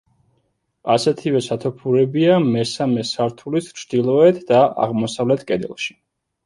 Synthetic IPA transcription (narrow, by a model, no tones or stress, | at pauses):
asɛt̪ʰivɛsat̪ʰɔpʰuɾɛbiamɛsamɛsaɾt̪ʰulist͡ʃʰd̪ilˠɔɛt̪ʰd̪aa̰ʁmɔsavlɛt̪ʰkʼɛd̪ɛ̰lˠʃi̥